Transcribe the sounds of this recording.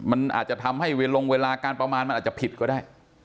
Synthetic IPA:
ma˧nʔa̰ː˨˩t̪̚t͡ɕa˨˩t̪ʰa˧mha˥˩jweː˧lo˧ŋweː˧laː˧kaː˧npɾa˧maː˧nma˧nʔ̚ːt͡ɕa˨˩pʰi˨˩kɔː˥˩daː˥˩j

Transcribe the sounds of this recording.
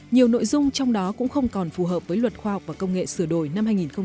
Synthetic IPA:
ɲi˨˩əwno̰˧˨jzʊ˧ŋ͡mt͡ɕɔ˧wŋ͡mɗɔ˨˦kʊ̰˧˥ŋ͡mxə˧wŋ͡mkɔ˨˩nfu˨˩ɦəː˨˩p̚vəː˨˦jlwə˨˩t̚xwaː˧hɔ˨˩wk͡p̚vaː˨˩kə˧wŋ͡mŋḛ˧˨sɨ˧˩əɗo˧˩jna˧mhaː˧jŋi˨˩nxə˧ŋ͡m

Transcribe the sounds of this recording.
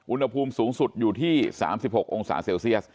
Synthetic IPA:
ʔu˧nha˧pʰuː˧msuː˩˦ŋsu˨˩t̪̚juː˨˩t̪ʰiː˥˩sa̰ː˩˦msi˨˩p̚ho˨˩k̚ʔo˧ŋsa̰ː˩˦seː˧wsi˥˩əs̚

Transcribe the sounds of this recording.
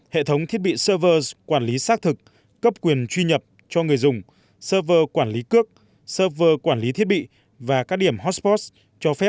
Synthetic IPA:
hḛ˧˨t̪ʰə˨˦wŋ͡mt̪ʰi˦˥t̚ɓḭ˧˨səː˧vəː˧zkwaː˧˩nli˨˦saː˦˥k̚t̪ʰɨ˨˩k̚ː | ə˦˥p̚kwi˨˩ənt͡ɕwi˧ɲə˨˩p̚ | t͡ɕɔ˧ŋɨ˨˩əjzʊ˨˩ŋ͡m | səː˧vəː˧kwaː˧˩nli˨˦kɨ˦˥ək̚ | səː˧vəː˧kwaː˧˩nli˨˦t̪ʰi˦˥ət̚ɓḭ˧˨ | vaː˨˩kaː˦˥k̚ɗi˧˩əmɦɔ˦˥spɔ˦˥s | t͡ɕɔ˧fɛ˦˥p̚

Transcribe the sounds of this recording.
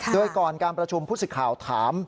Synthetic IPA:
doː˧jkɔː˨˩nkaː˧npɾa˧t͡ɕʰu˧mpʰu˥˩sɯ˨˩kʰaː˨˩wt̪ʰaː˩˦m

